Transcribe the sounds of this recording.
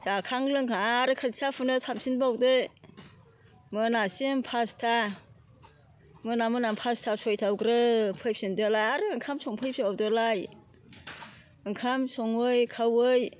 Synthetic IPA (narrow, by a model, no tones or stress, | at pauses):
sakʰaŋlɯŋkʰaaːɾɯkʰɯtsapʰɯnɯtʰamsinbawdɯ | mɯnasimpʰastʰa | mɯnamɯnampʰastʰasɔjtʰawɡɾɯpʰɯjp̚sindɯlajaɾɯɯŋkʰamsɔŋpʰɯjpsiawdɯlaj | ɯŋkʰamsɔŋɯjkʰawɯj